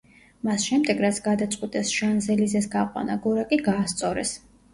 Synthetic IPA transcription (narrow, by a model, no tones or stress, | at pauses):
masʃɛmd̪ɛɡɾat̪sʰɡad̪at̪sʼqʼwit̪ʼɛsʒ̥anzɛlizɛs̬ɡaqʼwa̰naɡɔɾakʼiɡaːst̪sʼɔɾɛ̰s